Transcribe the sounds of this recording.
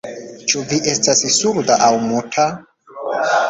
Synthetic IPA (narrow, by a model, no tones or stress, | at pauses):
t͡ʃuviʔe̞stassuɾdaʔawmutʰa